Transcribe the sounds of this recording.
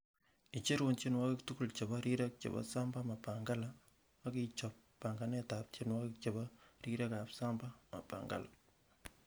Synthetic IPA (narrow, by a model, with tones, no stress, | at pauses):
ɪ˨t͡ʃe˦ɾo˨nt͡ʃe˦nwa˦kɪ˦ktu˦ku˦˨lt͡ʃe˨ba˦ɾi˦ɾa˦k̚t͡ʃḛ˨ba̰˦sa˦mba˦ma˨pa˨ŋɡa˦la˨ | a˦ki˦t͡ʃɔ˨pːa˨ŋɡa˨nɛ˦ta˨p̚t͡ʃe˦nwa˦kɪk̚t͡ʃe˨ba˦ɾi˦ɾa˦ka˨psa˦mba˦ma̰˨pa̰˨ŋɡa̰˦la̰˨